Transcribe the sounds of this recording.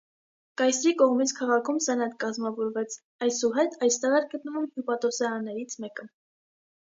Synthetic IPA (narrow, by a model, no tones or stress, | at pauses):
kɑjsɾikɔʁmit͡sʰkʰɑʁɑkʰumsɛnɛt̪kɑzmɑvɔɾvɛt͡sʰ | ɑjsuɦɛt̪ʰɑjst̪ɛʁɛɾɡət̪̚nəvumhjupɑt̪ɔsɛɾɑnːɛɾit͡sʰmɛkə